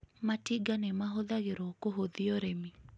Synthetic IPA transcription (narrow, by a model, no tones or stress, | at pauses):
matiɡanɛmaɦoðaɣeɾokoɦoðiɔɾemi